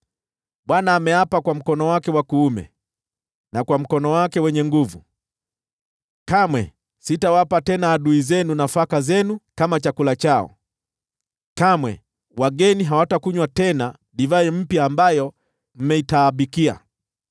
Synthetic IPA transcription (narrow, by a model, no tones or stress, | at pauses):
ɓwanaːmɛapakwam̩kɔnɔwakɛwakuːmɛ̰ | nakwam̩kɔnɔwakɛwɛɲɛŋɡuvu | kamwɛ̰ | sitawapatɛnaːɗuizɛnunafakazɛnukamat͡ʃakulat͡ʃaɔ̰ | kamwɛ̰ | waɡɛniɦawatakuɲwatɛna | ɗivaɾim̩pjaːmbajɔ | m̩mɛitaːɓikia̰